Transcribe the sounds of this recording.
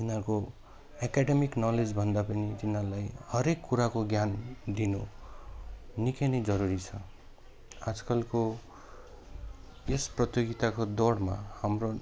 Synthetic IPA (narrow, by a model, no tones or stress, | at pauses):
t̪inãko | akaɖemiknʌled͡zbʱʌnd̪apʌnit̪inãlajhʌɾekːuɾakoɡjand̪inu | nikenʌjd͡zʌɾuɾit͡sʰʌ | ad͡zkʌlko | esprʌt̪joɡit̪akod̪oɽma̰hamro